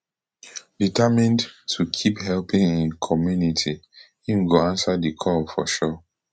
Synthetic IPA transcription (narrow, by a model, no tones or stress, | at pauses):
ditʰamĩndtʰukʰiphɛlpĩŋĩnkʰɔmjunitʰi | ĩɡoãnsadikʰɔlfɔʃɔ